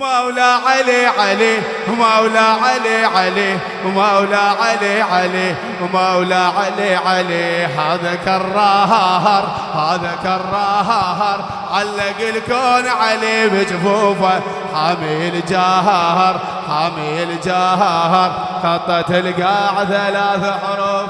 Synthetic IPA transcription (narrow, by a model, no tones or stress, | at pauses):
mawlaʕaleʕale | hmawlaʕaleʕale | mawlaʕaleʕale | mawlaʕaleʕaleɦaːðakɑrˤːɑɦɑɦɑɾˤ | haːðakɑrˤːɑɦɑɦɑɾˤ | ʕalːaɡɪlkoːnʕalebɪt͡ʃʼbufa | ħameld͡ʒaːɦɑhɑɾ | ħameld͡ʒaːɦɑɦɑɾˤ | kɑt̪ˤːɑt̪ɪlɡaːʕθalaːθaħʊɾo